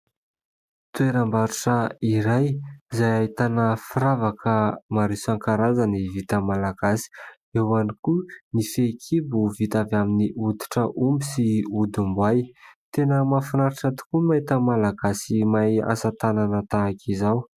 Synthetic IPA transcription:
t̪ueɾambaɾuʈ͡ʂəiɾajizajaɦit̪anəfiɾavakʰəmaɾisaŋkaɾazanivit̪əmalaɡasi̥ | ewanikunifekʰibuvit̪avaminiʔut̪i̥ʈ͡ʂəʔumbisiud̪umbwajt̪enəmafinaɾiʈ͡ʂat̪u̥kumait̪əmalaɡasimaja̰sat̪ananət̪aːkʰizaw

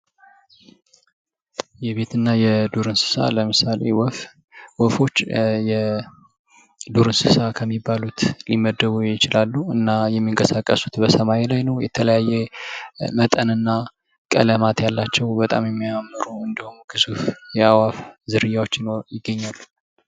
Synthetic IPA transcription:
jɛβe̞t̪ɨnːajɛd̪uɾɨnsɨ̥sa̰ləmɨsalḛwf | wɔfo̞t͡ʃːjɛ | d̪uɾɨnsɨsakʰəmːibːalut̪liməd̪ːəβujɪt͡ʃɪlalːuɨnːajɛmːiŋkʼəsakʼːəsu̥t̪bəsəmajelajnəwjɛ̰t̪ʰələjajɛ | mət̪ʼənɨnːa | kʼə̰ləmat̪jalːat͡ʃːɛwbət̪ʼa̰mjɛmːiamːɨɾuɨnd̪əhumɡʰɨzufjɛawafzɨɾɨjawot͡ʃːɪnjɪɡːəɲːalːu̥

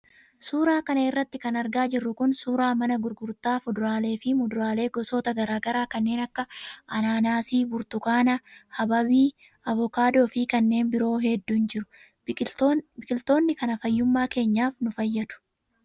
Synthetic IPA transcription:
suːɾaːkɐnɐɪrːɐt̪ːɪkɐnɐɾɡaːd͡ʒɪrːʊkʊnsuːɾaːmɐnɐɡʊɾɡʊɾt̪aːfʊd̪ʊɾaːle̞ːfɪmʊd̪ʊɾaːle̞ːɡɔsoːt̪ɐɡɐɾaːɡɐɾaːkɐnːe̞ːnɐkːɐʔɐnaːnaːsiːbʊɾt̪ʊkaːnɐhɐbɐbiː | ɐvɔkaːd̪o̞ːfɪkɐnːe̞ːnbɪɾo̞ːɦɛd̪ːuːnd͡ʒɪɾʊ̥ | bɪkʼɪlt̪o̞ːnːɪkɐnɐfɐjːʊmːaːke̞ːɲːaːfnʊfɐjːɐd̪̥ʊ̥

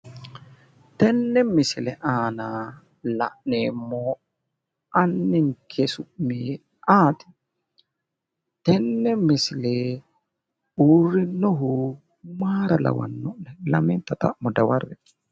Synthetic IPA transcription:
tɛnːɛmːisilɛʔaːna | la̰ʔnɛmɔ | ʔanːiŋkʰesumi | ʔaːti̥ | tɛnːɛmːisilɛ | uɾinɔɦu | maɾala̰wa̰nːɔnɛlamintata̰ʔmɔdawarːɛ

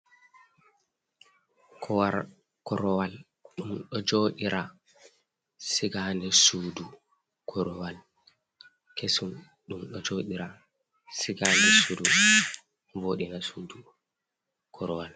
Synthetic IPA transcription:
kʰɔwaɾ | kɔɾɔwal | ɗumɗɔd͡ʒoɗiɾʔa | siɡandɛsuːdu | kʰɔɾɔwal | kʰesun | ɗumɗɔd͡ʒoɗiɾa | siɡandɛsuːdu | voːɗinasuːdu | kʰɔɾɔwal

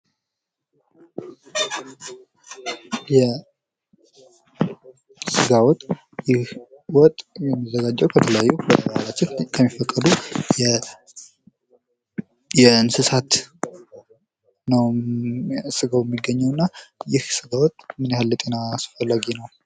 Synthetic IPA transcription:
jɛ | sɨɡawɔt̪ʼ | jɪh | wɔt̪ʼjɛmːəzːəɡad͡ʒːəwkʰət̪ʰələjajːuwəd̪əhalat͡ʃːɪnkʰəmːifəkʼːəd̪u | jɛɨnsɨsat̪ | nəw | sɨɡawjɛmːiɡːəɲːɛəwnːajɪhsɨɡawɔt̪ʼmɨnjahalːət̪ʼenasɨ̥fəlːaɡinəw

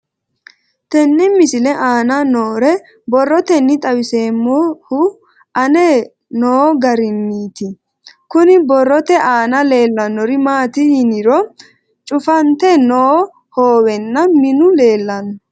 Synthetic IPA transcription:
t̪ɛnːɪmɪsɪlɛʔaːnɐnoːɾɛ | bɔrːɔt̪ɛnːɪt̪ʼɐwɪse̞ːmːɔhʊ | ʔɐnɛ | noːɡɐɾɪnːiːt̪ɪ | kʊnɪbɔrːɔt̪ɛʔaːnɐle̞ːlːɐnːɔɾɪmaːt̪ɪɪnɪɾɔ | t͡ʃʼʊfɐnt̪ɛnoː | hoːwɛnːɐmɪnʊle̞ːlːɐn

